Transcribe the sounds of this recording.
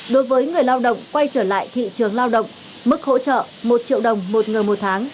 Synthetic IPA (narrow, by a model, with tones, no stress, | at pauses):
ɗo˨˦jvəː˨˦jŋɨ˨˩əjlaː˧wɗə̰˧˨wŋ͡mkwa˧jt͡ɕəː˧˩la̰ː˧˨jt̪ʰḭ˧˨t͡ɕɨ˨˩əŋlaː˧wɗə̰˧˨wŋ͡m | mɨ˦˥k̚ho̰˧˥t͡ɕə̰ː˧˨ | mo˨˩t̚t͡ɕḭ˧˨əwɗə˨˩wŋ͡mmo˨˩t̚ŋɨ˨˩əjmo˨˩t̚t̪ʰaː˨˦ŋ